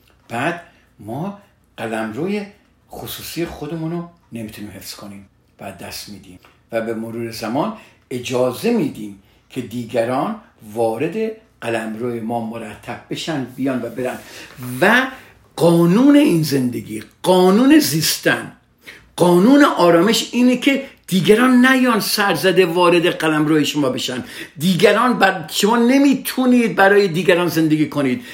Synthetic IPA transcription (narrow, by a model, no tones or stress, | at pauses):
b̥æːd̪ | mɒː | ɢ̥ælæmɾoːje | χosuːsijexod̪emuːno | ne̞miːt̪ʰuniːmhe̞fskʰoniːm | vææzd̪æst̪miːd̪iːm | væbemoɾuːɾezæmɒːn | e̞d͡ʒɒːze̞miːd̪iːm | kʰe̞d̪iːɡæɾɒːnvɒːɾe̞d̪e | ɢælæmɾoːjemɒːmoɾæt̪ʰːæb̚be̞ʃænd̪bijɒːnvæbe̞ɾænd̪væ | qɒːnuːne̞iːnze̞nd̪ḛɡḭːqɒːnuːneziːst̪æ̰n | ɢ̥ɒːnuːneʔɒːɾɒːme̞ʃiːnekʰe̞d̪̥iːɡæɾɒːnːæjɒːnsæɾzæd̪e̞vɒːɾe̞d̪eɡælæmɾoːjeʃomɒːbe̞ʃænd̪d̪iːɡæɾɒːnbæʃomɒːne̞miːt̪ʰuniːd̪̚bæɾɒːjed̪iːɡæɾɒːnze̞nd̪eɡiːkʰoniːd̪̥